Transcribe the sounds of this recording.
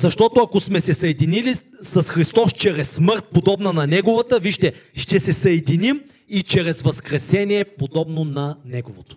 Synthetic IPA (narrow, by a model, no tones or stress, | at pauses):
zɐʃt̪ɔt̪oɐkosmɛsɛsɐɛd̪inili | sɐsxɾist̪ɔst͡ʃɛɾɛsːməɾt̪̚pod̪ɔbnɐnɐnɛɡovət̪əviʃt̪ɛʃt̪ɛsɛsɐɛd̪inim | it͡ʃɛɾɛzvɐskɾɛsɛniɛpod̪ɔbnonɐnɛɡovot̪o̥